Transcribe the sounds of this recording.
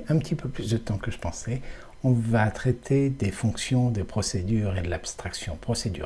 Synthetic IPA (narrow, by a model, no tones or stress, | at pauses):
ɛ̃pət̪ʰipøplysd̪ət̪ɑ̃kəʒəpɑ̃sɛ | ɔ̃vat̪χɛt̪ʰed̪efɔ̃ksjɔ̃d̪epχɔsed̪yːʁed̪əlapst̪χaksjɔ̃pχɔsed̪yʁ